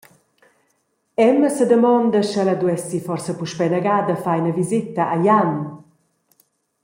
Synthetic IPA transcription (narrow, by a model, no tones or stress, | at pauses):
ɛməsəd̪əmɔnd̪əʃəlad̪uɛsifɔrsəpuʃpɛnəɡaːd̪əfajnəvizit̪aʔajan